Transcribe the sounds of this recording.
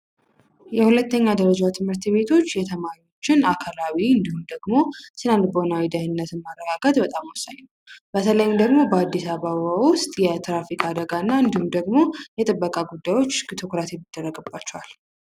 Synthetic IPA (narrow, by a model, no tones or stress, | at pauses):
jɛhulət̪ːəɲːad̪əɾəd͡ʒat̪ʰɨmhɨɾt̪be̞t̪ʰo̞t͡ʃːjɛt̪ʰəmaɾio̞t͡ʃːɪnakʰalawiɨnd̪ihumd̪əɡmo̞sɨnand̪bəhonawid̪ahɨnːət̪ɨnmarːəɡaɡət̪bət̪ʼamwʊsaɲːn | bət̪ʰələjɪmd̪əɡmo̞bəad̪ːisaβaβawʊst̪ʼjɛt̪ɾafikʼad̪əɡanːaɨnd̪ihumd̪əɡmo̞jɛt̪ʼɨbːəkʼaɡud̪ːajwo̞t͡ʃːɡt̪ʰokɾasimɨd̪̥ːərːəɡɨbːat͡ʃːɛwal